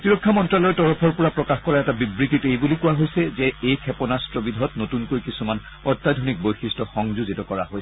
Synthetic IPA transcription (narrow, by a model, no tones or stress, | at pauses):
tiɹokʰːamɔntɹalɔɹɛtɔɹɔpʰɔɹpɔɹapɹɔkaxkɔɹaɛtabibɹititejbulikuwaɦojsɛzeejkʰɛpɔnastɹɔbidʱɔtnotunkojkisuman | ɔɹtːadʱonik̚bojxistɔxɔŋzuzitɔkɔɹa̰ɦojsɛ